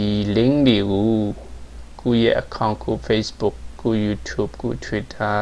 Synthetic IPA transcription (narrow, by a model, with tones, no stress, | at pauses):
i˨lɪ̃˦ŋde˨ɡo˨˦ | ko̰˦˨jɛ̰˦ʔəkʰã˦˨ʊ̃kʰo̰˦˨fe˦sbʊ˦˨kko̰˦˨ju˨tʰju˦˨p̚ko̰˦˨tʰwi˦˨tʰa˦